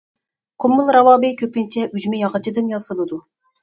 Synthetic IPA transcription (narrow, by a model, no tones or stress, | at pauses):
qʰʊmːulˠɾɑwɑːbɪkʲʰøpɪnt͡ʃʰɛʔyd͡ʒmɪjɑʁət͡ʃʰid̪ɨnjɑsɨlˠɨd̪u